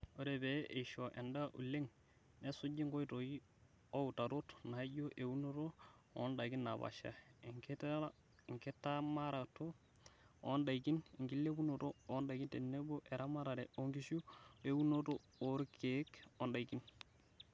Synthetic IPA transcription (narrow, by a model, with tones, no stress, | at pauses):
o˦ɾe˨be˨ʔe˨ʃo˨ʔe˨nda˦ʔṵ˨le˦ŋ | ne˦su˦d͡ʒi˦ŋɡo˦i˦to˨ji˦ | o˦u˨ta˨ɾo˦tna˨i˦ɟo˦ʔe˨u˦no˦to˦ɔ̰˦nda˨ɡi˦nːa˨ba̰˨ʃa̰˨i˨ŋke˦t | ŋke˦ta˦ma˦ɾa˨to˦ | ɔ˦nda˨i˨ki˦ni˨ŋɡi˦lːe˦bu˦no˨toː˦nda˨ɡi˦nte˨nːe˦bo˦ʔe˨ɾa˦ma˦ɾa˨ɾɛ˨o˦ŋɡi˦ʃu˦e˦wu˦no˦to˦ | o˨ɾkʰe˨˦ko˦nda˨iki˦n